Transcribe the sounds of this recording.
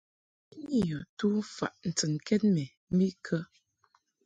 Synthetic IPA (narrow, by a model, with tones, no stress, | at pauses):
i˦ɲi˦˨jɔ˨tu˦fa̰˨ʔn̩˨tɨ˨nkɛ˦t̚mɛ˨ | m̩˦bi˦kʰə˦